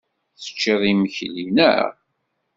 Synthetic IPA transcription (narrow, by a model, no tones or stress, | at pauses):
θə̥t͡ʃːeðˤiməçlinə̰ʁ